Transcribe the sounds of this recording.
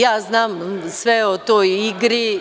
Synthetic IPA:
jaːznaːmsʋɛot̪oːjiɡɾi

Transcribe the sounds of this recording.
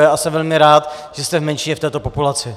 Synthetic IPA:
jɛʔasɛvɛlmɪɾaːt̪ʒ̥ɛst̪ɛvmɛnt͡ʃɪɲɛft̪ɛːt̪o̞po̞pulat͡sɪ

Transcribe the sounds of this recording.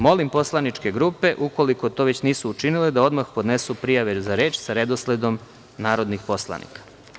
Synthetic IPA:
mo̞limpo̞slˠanit͡ʃke̞ɡɾuːpe̞ʔuko̞liko̞t̪oʋe̞t͡ɕniːsuːt͡ʃiniled̪ao̞d̪maxpo̞d̪nesupɾijaʋezaɾe̞ːt͡ʃsaɾe̞d̪osled̪o̞m | naːɾo̞d̪nixpo̞slˠa̰nḭkḁ

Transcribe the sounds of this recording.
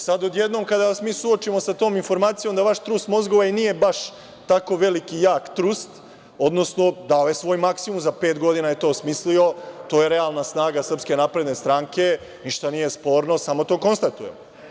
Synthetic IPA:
sad̪od̪jed̪no̞mkad̪aʋasmiːsuo̞t͡ʃimo̞sat̪o̞ːminfo̞ɾmaːt̪sijo̞md̪aʋaʃt̪ɾust̪mo̞zɡoʋanije̞baʃ | t̪ako̞ʋe̞likijaːkt̪ɾust̪ | o̞d̪no̞sno̞d̪aojesʋo̞ːjmaksimumzapeːt̪ɡo̞d̪inaje̞t̪o̞ːsmislio̞t̪o̞ːjeɾe̞alˠnasnaːɡasr̩pske̞napɾe̞d̪ne̞st̪ɾaŋke̞ | niʃt̪anije̞spo̞ːɾno̞samo̞t̪o̞ːko̞nst̪at̪ujem

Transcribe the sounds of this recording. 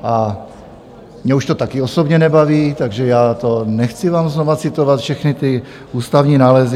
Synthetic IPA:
ʔa | mɲɛuʃt̪ot̪akɪosobɲɛnɛbaviːt̪aɡʒɛjaːt̪onɛxt͡sɪvaːmznovat͡sɪt̪ovat̪fʃɛxnɪt̪ɪ | ʔuːst̪avɲiːnaːlɛz

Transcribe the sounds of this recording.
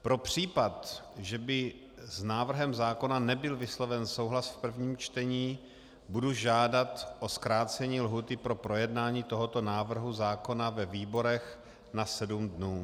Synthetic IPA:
pɾo̞pr̝̥iːpat̪ | ʒɛbɪ | znaːvr̩ɦɛmzaːko̞nanɛbɪlvɪslovɛnsowɦlasfpr̩vɲiːmt͡ʃt̪ɛɲiː | buduʒaːdat̪ʔo̞skɾaːt͡sɛɲiːlɦuːt̪ɪpɾo̞pɾo̞jɛdnaːɲiːt̪o̞ɦo̞t̪o̞naːvr̩ɦuzaːko̞navɛviːbo̞ɾɛx | nasɛdumdnuː

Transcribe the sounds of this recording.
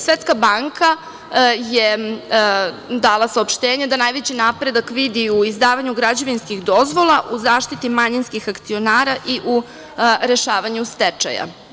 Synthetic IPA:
sʋet̪skabaːŋkʰa | je | d̪aːlˠasaopʃt̪eːɲed̪anajʋet͡ɕinaːpɾe̞d̪akʋid̪iuizd̪aːʋaɲuɡɾad͡ʑoʋinskixd̪o̞zʋo̞lˠaʔuzaːʃt̪it̪imaɲinskixakt̪sio̞naːɾaʔiʔu | ɾe̞ʃaːʋaɲust̪et͡ʃa̰ja̰

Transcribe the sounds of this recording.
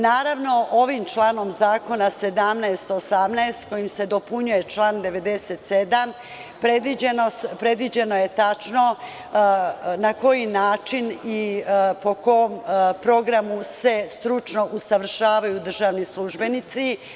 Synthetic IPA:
naːɾaʋno̞ʔo̞ʋimt͡ʃlˠaːno̞mzaːko̞nase̞d̪amnɛest̪osamnɛest̪ko̞jimse̞d̪o̞puɲuje̞t͡ʃlˠaːnd̪e̞ʋe̞d̪e̞set̪sed̪am | pɾed̪ʋid͡ʑenopɾe̞d̪ʋid͡ʑe̞no̞je̞t̪at͡ʃno̞ | nako̞jinaːt͡ʃinipo̞koompɾo̞ɡɾamuse̞st̪ɾut͡ʃno̞ʔusaʋr̩ʃaːʋajud̪r̩ʒaːʋnislˠuʒbe̞nit̪si

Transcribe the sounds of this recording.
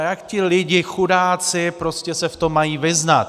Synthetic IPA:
jakcɪlɪɟɪxudaːt͡sɪpɾo̞scʲɛsɛft̪o̞mːajiːvɪznat̪

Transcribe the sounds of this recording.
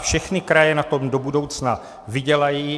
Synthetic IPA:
fʃɛxnɪkɾajɛnat̪o̞mdo̞budo̞wt͡sna | vɪɟɛlajiː

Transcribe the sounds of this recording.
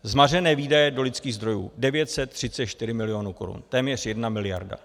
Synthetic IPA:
zmarɛnɛːviːdajɛdo̞lɪt̪t͡skiːɣzd̪ɾo̞jṵːdɛvjɛt̪sɛt̪ːr̥ɪt͡sɛt̪ʃt̪ɪɾɪmɪlɪjo̞nuːko̞ɾṵnt̪ɛːmɲɛr̝jɛdnamɪlɪja̰ɾda̰

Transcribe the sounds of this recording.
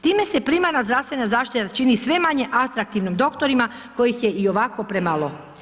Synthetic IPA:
t̪iːme̞se̞pɾimanazd̪ɾaʋst̪ʋe̞nazaːʃt̪it̪at͡ʃinisʋe̞maɲe̞ʔat̪ɾak̚t̪iʋnimd̪o̞kt̪o̞ɾima | ko̞jixje̞ʔio̞ʋako̞pɾemalˠo

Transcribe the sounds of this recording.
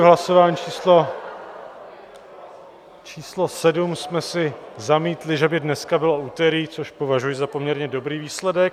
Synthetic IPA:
ɦlasovaːɲit͡ʃiːslo | t͡ʃiːslo̞sɛdumsmɛsɪzamiːt̪lɪʒɛbɪdnɛskabɪlo̞uːt̪ɛɾiːt͡so̞ʃpo̞vaʒujɪzapo̞mɲɛɾɲɛdo̞bɾiːviːslɛdɛk

